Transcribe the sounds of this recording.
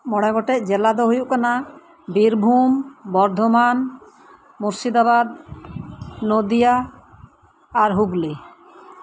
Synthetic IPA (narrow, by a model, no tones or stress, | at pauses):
mɔɽ̃ɛɡɔʈɛʔ̚d͡ʒɛlad̪ɔɦojuʔkana | biɾbʱumbɔɾd̪ʱɔman | muɾsid̪abad̪̚ | nod̪ija | ɾɦuɡli